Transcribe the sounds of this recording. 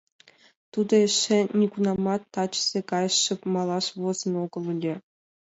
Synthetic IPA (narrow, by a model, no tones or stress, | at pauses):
t̪ud̪ɤeʂenʲikunɑmɑt̪ːɑt͡ɕzʲekɑjʂɤ̆pmɑlˠɑʂvozɤ̆noɡɤ̆lˠulʲĕ